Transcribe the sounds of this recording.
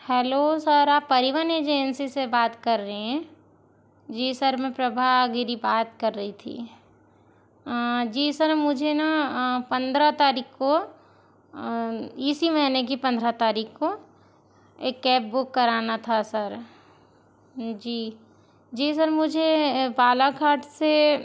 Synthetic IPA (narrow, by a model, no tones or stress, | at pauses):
hɛːlosəɾaːpːɐɾiʋəneːd͡ʒensisebaːt̪kɐɾːəɦeɦɛ̃ | d͡ʒiːsɐɾmẽpɾɐbʱaɡɪɾibaːt̪kɐɾːəɦit̪ʰḭː | d͡ʒiːsəɾmʊd͡ʒʱenapɐ̃nd̪ɾət̪aːɾiːkʰko | ɪsimɐɦinek̬ipɐ̃nd̪ʱɾat̪aːɾiːkʰko | eːkːɛːp̚bʊkːɐɾaːnat̪ʰasɐɾ | d͡ʒiː | d͡ʒiːs̬ɐɾmʊd͡ʒʱepaːlakʰaːɾʈse